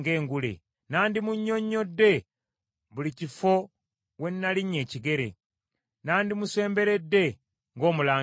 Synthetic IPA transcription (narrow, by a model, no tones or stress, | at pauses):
ɡe̞ːŋɡulḛ | naːndimuɲːo̞ɲːo̞dːe̞ | βulicifo̞ | we̞nːaliɲːe̞ːciɡe̞ɾḛ | naːndimuse̞ːmbe̞ɾe̞dːe̞ | ŋɡo̞ːmulaː